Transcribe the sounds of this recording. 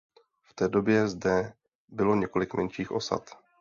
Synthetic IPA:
ft̪ɛːdo̞bjɛzdɛ | bɪlo̞ɲɛko̞lɪkmʔɛnʃiːxʔo̞sa̰t̪

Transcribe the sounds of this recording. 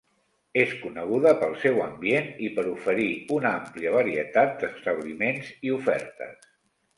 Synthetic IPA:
eskunəɣ̞uðəpəlˠsɛwəmbienipəɾufəɾiunampliəβəɾiət̪at̪̚d̪əst̪əβlimenziufɛ̰ɾt̪ə̰s

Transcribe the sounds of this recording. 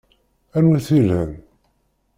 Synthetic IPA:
ænuθilhən

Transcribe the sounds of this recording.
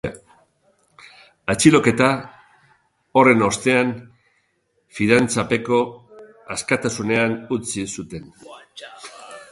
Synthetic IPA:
at͡ʃilo̞ke̞t̪a | o̞re̞no̞st̪e̞an | fiðant͡sape̞ko̞ | askat̪asune̞anut͡sisut̪e̞n

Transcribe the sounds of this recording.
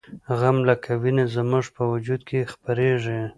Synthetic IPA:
ɣamlakʰawinezəmʊʐpəwad͡ʒud̪̚kʰexpaɾeʐe

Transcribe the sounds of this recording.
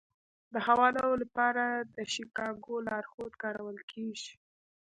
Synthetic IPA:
d̪əhawɑlolapɑɾad̪əʃikɑɡolɑɾxod̪kɑɾawəlkʰeʒi̥

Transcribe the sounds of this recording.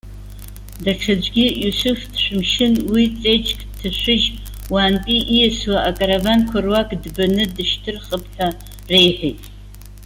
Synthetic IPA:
daʈ͡ʂʰad͡ʒʷɡʲijusufdʃʷᶣʊmʃɪnwit͡sʼejt͡ʃʼkʼtʰaʃʷɪʒ | waːntʼiʔijɛswaʔakʼaɾavankʷʰarwakʼdbanɨdɨʃtʰɨrχəpʰħa | rejħʷᶣejtʼ

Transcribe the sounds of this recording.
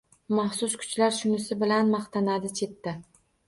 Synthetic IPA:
mɑχsʊskʰʊ̥t͡ʃlaɾʃʊnɪsɪbɪlanmɑχt̪ʰanad̪ɪt͡ʃʰe̞t̪ːɪ

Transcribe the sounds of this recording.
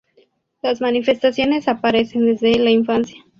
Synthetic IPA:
lazmanife̞st̪asjo̞ne̞sapaɾe̞se̞nd̪e̞zðelaiɱfansja

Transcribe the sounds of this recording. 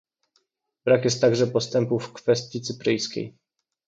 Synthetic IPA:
b̥ɾakjɛst̪ːaɡʐɛpɔst̪ɛmpufkfɛst̪ʲjit̪sɘpɾɘjskʲḛj

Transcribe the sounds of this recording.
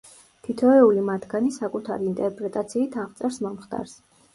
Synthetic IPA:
t̪ʰit̪ʰɔɛulimat̪ʰɡ̥anisakʼut̪ʰaɾiːnt̪ʼɛɾpʼɾɛt̪ʼat̪sʰiːt̪ʰaʁt̪sʼɛɾsmɔmχt̪ʼa̰ɾs

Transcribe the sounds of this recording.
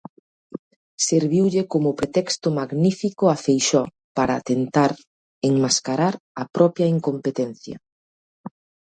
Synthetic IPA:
seɾβiwʎekomʊpɾet̪ɛkst̪ʊmaɣnifikʊafejʃɔ | paɾat̪ent̪aɾ | eŋmaskaɾaɾɐpɾɔpjaiŋkompet̪ɛn̟θjɐ̰

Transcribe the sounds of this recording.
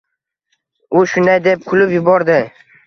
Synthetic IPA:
ʊʃʊnd̪ajd̪e̞p̚kʰʊlɪpjʊbɒɾd̪ɪ

